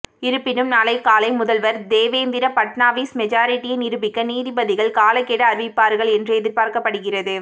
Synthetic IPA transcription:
ɪɾɯpːɪnɯmnaːlɐɪkaːlɐɪmʊðɐlʋɐɾd̪eːʋeːnd̪ɪɾɐpɐʈnaːʋiːsmɛd͡ʒaːɾɪʈːɪjɪnɪɾɯbɪkːɐniːðɪbɐðɪɣɐɭkaːlɐkːeːɽɐːɾɯʋɪpːaːɾɣɐɭɛndrɯɛðɪɾpaːɾkɐpːɐɽɯɣɪrɐðɯ

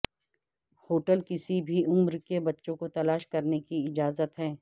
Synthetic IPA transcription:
hoːʈəlkɪsibʱiʊmɾkebɐtːʃõkot̪ɐlaːʃkɐɾnekiɪd͡ʒaːzət̪ɦɛː

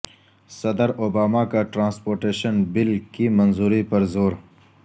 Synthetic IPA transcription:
sɐd̪əɾoːbaːmakaʈɾãːnspoːɾʈeːʃənbɪlkimɐnzuːɾipɐɾzoːɾ

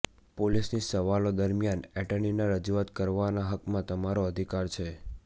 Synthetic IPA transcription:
polisnisəʋalod̪əɾmijanɛʈəɳinaɾəd͡ʒuat̪kəɾʋanaɦəkmãt̪əmaɾoəd̪ʱikaɾt͡ʃʰe

